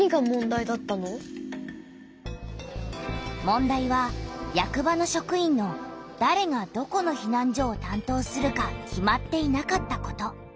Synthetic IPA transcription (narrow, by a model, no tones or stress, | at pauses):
iɡamõ̞nd̪aid̪at̪ːano | mõ̞nd̪aiβajakɯ̟bano̞ɕo̞kɯ̟ĩnːo̞d̪̥aɾe̞ɡad̪̥o̞ko̞no̞çinãɲ̟d͡ʑo̞ːt̪ãnt̪o̞ːsɨɾɯ̟kakʲimat̪ːe̞inakat̪ːako̞t̪o̞